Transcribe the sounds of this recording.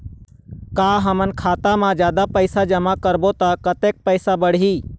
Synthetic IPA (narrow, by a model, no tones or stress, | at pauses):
kaːɦəmənkʰaːt̪amãd͡ʒjaːd̪apəɪsad͡ʒəmakəɾbot̪akət̪eːk̚pəɪsabəɽ̤iː